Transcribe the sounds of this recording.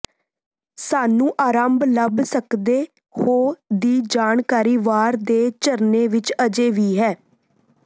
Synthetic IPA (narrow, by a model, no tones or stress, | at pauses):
saːnũːʔaːɾaːmbləbsəkd̪eː | hoːd̪iːd͡ʒaːɳkaːɾiːʋaːɾd̪eːt͡ʃəɾneːʋɪt͡ʃəd͡ʒeːʋiːɦɛː